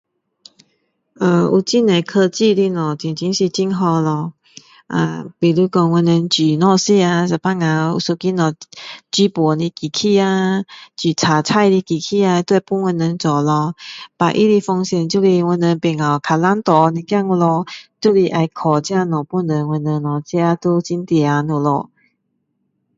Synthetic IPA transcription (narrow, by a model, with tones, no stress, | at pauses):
ə˧˩ṵ˧˩t͡ɕi˥˧ne˨˩kʰə˧t͡ɕi˥˧˨li˧nɔ̃˨˩t͡ɕi˨˩ŋt͡ɕi˧˦ŋɕi˧t͡ɕi˦ŋɦɔ˧lɔ˧ | ʔa̰˧˩pi˨˩lu˧˦kɔ˧ŋwə˧nə˨˧˦nt͡ɕi˨nɔ˥˧si˥˧a˧sa˨˩pa˦˧ŋa˨˩ṵ˧˩su˧ki˦nɔ˨t͡ɕi˧˦pɔ˨˩li˧ki˨kʰi˥˧a˧t͡ɕi˨˩t͡sʰa˨˩t͡sʰa˥˧jli˧ki˨˩kʰi˧a˧t̪we˥˧pu˦wə˧nːə˨˧˦nt͡sɔ˨˩lɔ˧pa˨ʔi˦li˧fɔ˧ŋɕjɛ˨˩nt͡ɕju˥˧li˧wə˧nə˧ŋpɛ˨˩ŋa˨kʰa˨la˦nt̪ɔ˨nĩ˧kja˥˧˨ŋu˧lɔ˧t͡ɕu˥˧li˧ʔa˧jkʰɔ˨˩t͡ɕja˧nɔ˨˩pu˥˧˨nd̪ə˨˦ŋwə˧nə˧ŋnɔ˨˩si˦˧a˧t̪u˦˧t͡ɕi˧˦nt̪jɛ˧˩a˧nu˨lɔ̰˧˩